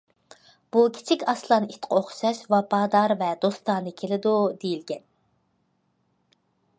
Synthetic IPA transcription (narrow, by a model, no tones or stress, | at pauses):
b̥ukʲʰi̥t͡ʃʰikʲɑslˠɑnit̪qʰəoχʃɑʃvɑpʰɑːd̪ɑɾvɛd̪ost̪ɑːnɨkʲʰelɪd̪ud̪ejilɡʲɛn